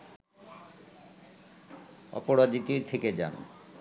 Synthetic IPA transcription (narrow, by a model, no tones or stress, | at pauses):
ɔ̰poɾad͡ʑit̪iɾt̪ʰeked͡ʑa̰n